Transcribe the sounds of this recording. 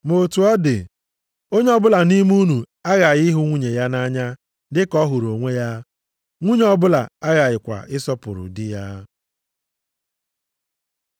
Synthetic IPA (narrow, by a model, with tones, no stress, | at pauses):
mo˨tu˨ɔ˦dɪ̰˨ | o˦ɲ˦ɔ˦bʊ˦la˨ni˦m˦u˦nu˨ | a˦ɣa˨jɪ˦ɦʊ˦ŋʷu˦ɲe˨ja˦na˦ɲa˦ | dɪ˦kɔ˦ɦʊ˨ɾo˨ŋʷe˦ja˦ | ŋʷu˦ɲe˦ɔ˦bʊ˦la˨a˦ɣa˨jɪ˨kʷa̰˨ʔɪ˦sɔ˦pʊ̰˨ɾʊ̰˨dɪ˦ja˦